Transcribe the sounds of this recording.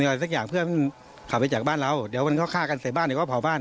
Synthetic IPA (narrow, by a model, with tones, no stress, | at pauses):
ɔ˧˨˧sa˦˥k̚jaː˨˩ŋpʰɯ˥˩ɐma˧n | kʰa˨˩wpa˧jt͡ɕaː˨˩k̚aː˥˨nla˧wdiː˨˩˦wma˧nkʰɔː˧˥˩kʰaː˥˩ka˧nsa˨˦baː˥˨nːi˨˦kɔː˥˩pʰɔː˨˩wbaː˥˩˨n